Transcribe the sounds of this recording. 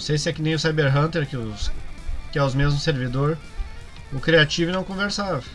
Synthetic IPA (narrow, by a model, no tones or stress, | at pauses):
sejsɪɛkɪnẽj̃ʊsajbeɾɦɐ̃nt̪eɾkɪʊ | kɪawzmezmʊseɾvid̪oɾ | ʊkɾiat͡ʃivʊnɐ̃w̃kõveɾsavɐ